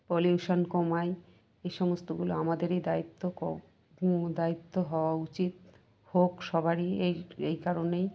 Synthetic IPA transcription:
poluuʃonkomae | eʃɔmost̪oɡuloamad̪eɾejd̪ait̪ːokɔ̰ | d̪ait̪ːoɦɔoaut͡ɕit̪̚ | hokʃɔbʱaɾieejkaɾonej

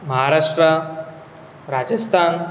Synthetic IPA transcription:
məɦaɾaʂʈɾə | ɾad͡ʒəst̪ʰaːn

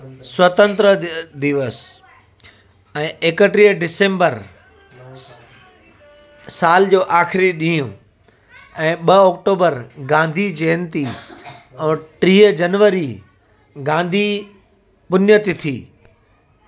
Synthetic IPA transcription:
swɐt̪ə̃nt̪ɾəd̪ɪʋəs | ɛ̃ːʔeːkəʈɾiːəɖɪsẽːmbəɾ | saːld͡ʑoːʔaːxɪɾiɗĩːũ | ɛ̃ːɓɐɔːkʈoːbəɾɡãːnd̪ʱid͡ʑeːnt̪i | ɛ̃ːʈɾiːəd͡ʑɐnʋəɾi | ɡãːnd̪ʱi | pʊnjət̪it̪ʰiː

